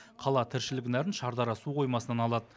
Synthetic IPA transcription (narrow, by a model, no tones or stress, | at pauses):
qʰɑlˠɑt̪ʰɪɾʃɪlɪɡʲɪnæɾɪnʃɑɾd̪ɑɾɑsuqʰo̞jmɑsənɑnɑlˠɑd̪ə